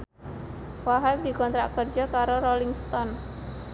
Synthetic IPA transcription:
waɦajd̪i̤kɔnt̪ɾaʔkərd͡ʒɔkaɾoɾɔliŋst̪ɔn

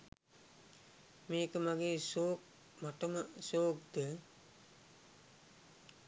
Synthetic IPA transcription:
meːkəmaɡeːsoːk̚ | maʈəməsoːk̚d̪ə

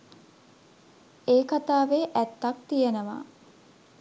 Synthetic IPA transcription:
eːkat̪aːʋeːʔæt̪ːak̚t̪ijenəʋa̰ː

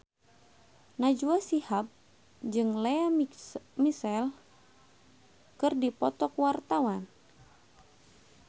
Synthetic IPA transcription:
nad͡ʒuasihap̚ | d͡ʒɨŋlea | misɛl | kɨrdipɔt̪ɔkwart̪awan

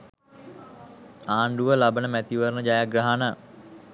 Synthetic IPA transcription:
aːɳɖuʋəlabənəmæt̪iʋərnəd͡ʒajaɡraɦana

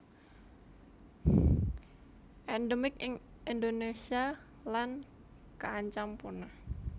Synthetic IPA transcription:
ʔɛndəmɪk̚ɪŋ | indonesia | lan | kəaɲt͡ʃampuna

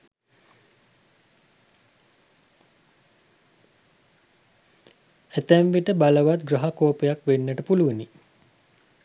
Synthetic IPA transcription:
æt̪æmʋiʈəbaləʋat̪̚ɡrɐɦakoːpəjakʋenːəʈəpuluʋəni

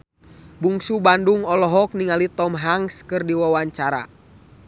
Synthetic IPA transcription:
buŋsubanduŋɔlɔɦɔk̚niŋalit̪ɔmɦaŋskɨrdiwawaɲt͡ʃaɾa̰

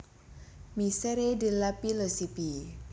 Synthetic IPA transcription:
misɛɾedilapilosipi

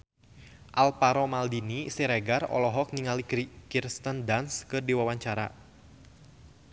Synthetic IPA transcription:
ʔalpaɾɔmaldinisiɾeɡarɔ̰lɔɦɔk̚niŋalikkirst̪əndanskɨrdiwawaɲt͡ʃaɾa̰

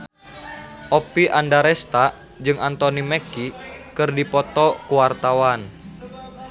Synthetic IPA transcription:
ʔopiʔandaɾɛst̪a | d͡ʒɨŋant̪onimekikɨrdipɔt̪ɔkuwart̪awan

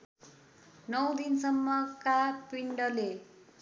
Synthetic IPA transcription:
nʌw̃d̪insʌmːʌkapiɳɖʌle

